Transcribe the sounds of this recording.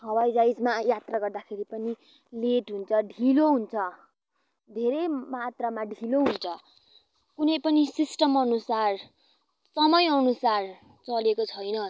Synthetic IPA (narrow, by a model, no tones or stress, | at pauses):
ɦʌwajd͡zajd͡zmajat̪raɡʌrd̪akʰeɾipʌni | leʈɦunt͡sʰʌɖʱiloɦunt͡sʰʌ | d̪ʱeɾʌjmat̪ramaɖʱiloɦunt͡sʰʌ | kunʌjpʌnisisʈʌmʌnusar | sʌmʌjʌnusar | t͡sʌlekot͡sʰʌjnʌ